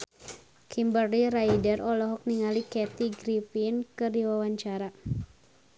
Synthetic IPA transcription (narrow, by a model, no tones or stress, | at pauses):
kʰimbərliɾaidərɔlɔɦɔk̚niŋalikɛt̪iɡɾifinkɨrdiwawaɲt͡ʃaɾa